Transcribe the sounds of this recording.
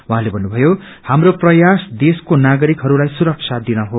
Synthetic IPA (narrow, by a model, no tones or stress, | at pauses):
wɦãlebʱʌnːubʱʌjo | hamroprʌjasd̪eskonaɡʌɾikɦʌɾulajsuɾʌk̚sʰad̪inʌɦo